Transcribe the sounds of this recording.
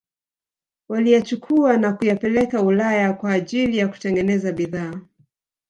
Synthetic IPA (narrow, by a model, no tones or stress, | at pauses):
walijat͡ʃukʰuanakujapɛlɛkaulajakwaːʄilijaku̥tɛŋɡɛnɛzaɓiðaː